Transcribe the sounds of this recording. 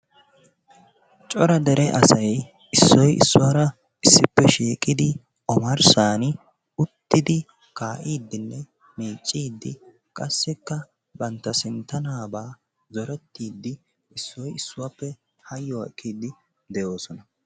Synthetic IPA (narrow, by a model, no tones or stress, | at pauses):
t͡ʃʼɔɾɐd̪ɛɾɛʔɐsɐj | ɪsːɔjɪ̰sːʊwaɾɐ | ɪsːɪpːɛʃiːkʼɪd̪ɪ | ɔmɐɾsaːn | ʊt̪ːɪd̪ɪ | kaːʔiːd̪ːɪnːɛ | miːt͡ʃʼːiːd̪ːɪ | kʼɐsːɪkːɐ | bɐnt̪ːɐsɪnt̪ːɐnaːbaː | zɔɾɛt̪ːiːd̪ːɪ | ɪsːɔjɪsːʊwapːɛ | hɐjːɔɛkːiːd̪ɪ | d̪ɛjo̞ːsɔnɐ